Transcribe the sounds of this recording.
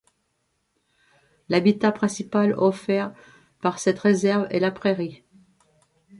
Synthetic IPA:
labit̪apχɛ̃sipalɔfɛʁ | paʁsɛt̪ʁezɛʁvɛ̰lapχeʁi

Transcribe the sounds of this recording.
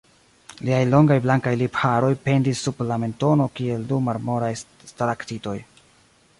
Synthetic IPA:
liajlo̞ŋɡajblaŋkajliphaɾo̞jpe̞ndisːuplame̞nto̞no̞kie̞ldumaɾmo̞ɾaj | stalaktito̞j

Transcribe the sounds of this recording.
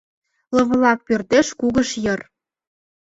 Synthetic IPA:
lɤ̆βɤ̆lɑk̚pørt̪eʃkuɣəʃjɤ̆r

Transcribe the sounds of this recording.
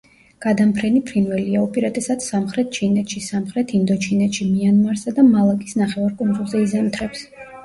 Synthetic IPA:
ɡ̥ad̪ampʰɾɛnipʰɾinvɛliaɔpʼɛɾat̪ʼɛsat̪samχɾɛt̪̚ʰt͡ʃʰinɛt̪ʃisamχɾɛt̪ʰind̪ɔt͡ʃʰinɛt̪ʃimianmaɾsad̪amalˠakʼisnaχɛvaɾkʼund̪zʼulˠzɛizamt̪ʰɾɛps

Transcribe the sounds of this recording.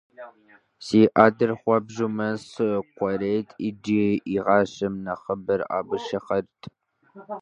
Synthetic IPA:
siːʔaːdɨrχʷɔbʒumɐsɨqʷɔɾeːtʰʼid͡ʒiiʁɑːɕɪmnɐχəbɐra̰ːbɨʃɐχɐrtʰ

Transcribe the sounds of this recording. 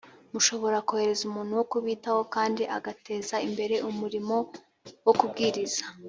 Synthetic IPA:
muʃo̞βo̞ɾakohe̞ɾe̞zumuːn̥huwo̞kuβiːtaho̞kaːndiʔaɡate̞ːzaimbe̞ɾe̞ʔumuɾimo̞ | wokub̚ɡiːɾiz̥ḁ

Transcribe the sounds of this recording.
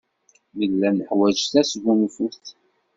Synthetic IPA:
məlːænəħwæd͡ʒθæsɣumfuɾθ

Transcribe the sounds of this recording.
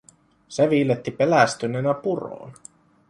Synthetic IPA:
seʋiːlet̪ːipe̞læst̪yneːnæpuro̰ːn

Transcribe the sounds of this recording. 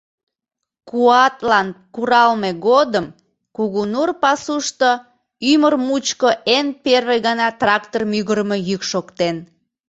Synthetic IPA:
kuɑt̪lɑnkuɾɑlmeɣod̪əm | kuɣunurpɑsuʃt̪o | ymərmut͡ɕkoenperβeɣənɑt̪rɑkt̪ormyɣəɾmejykʃokt̪en

